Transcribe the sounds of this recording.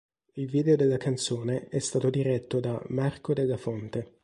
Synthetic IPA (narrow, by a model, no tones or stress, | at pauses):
ilviːd̪eod̪elːakant̪soːneɛst̪aːt̪od̪iɾɛt̪ːod̪amːarkod̪elːafont̪e